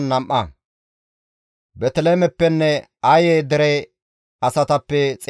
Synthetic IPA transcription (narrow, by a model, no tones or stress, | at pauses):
nːɐmʔɐ | bɛt̪ɛleːmɛpːɛnːɛ | ɐjeːd̪ɛɾɛ | ɐsɐt̪ɐpːɛt͡sʼ